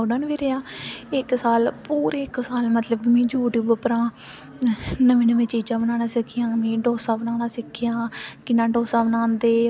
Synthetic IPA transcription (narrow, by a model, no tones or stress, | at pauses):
oːɖənʋiːɾejaːɪksaːlpuːɾeːɪksaːlmət̪ləbmẽːd͡ʒuːʈibəpɾãː | nəʋẽːnəʋẽːt͡ʃiːd͡ʒãːbənãːnaːsɪkʰːɪjãːmẽːɖoːsãːbənaːnaːsɪkʰːɪjãːkɪnːãːɖoːsãːbənãːnd̪eː